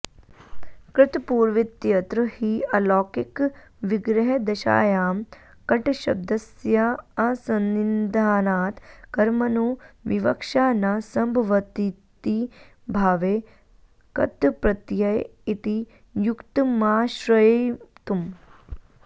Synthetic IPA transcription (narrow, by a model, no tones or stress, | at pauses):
kɾɪt̪puːɾʋit̪jɐt̪ɾəhiːɐlɔːkikʋiɡɾɐɦɐd̪ɐʃa̰ːjaːm | kɐʈʃɐ̰b̚d̪ɐsjaɐsɐnːind̪ʱaːnaːt̪kɐɾmɐnoːʋiʋɐkʃaːnasɐmbʱɐʋɐt̪it̪i | bʱaːʋeː | kɐ̰t̪ːpɾɐt̪jɐjit̪i | jukt̪maːʃɾɐt̪um